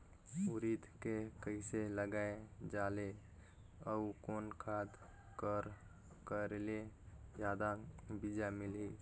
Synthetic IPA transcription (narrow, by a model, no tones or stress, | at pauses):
uɾit̪kekəɪseləɡaed͡ʒale | əukoːnkʰad̪ | kəɾ | kəɾeled͡ʒjad̪abid͡ʒamɪlɦi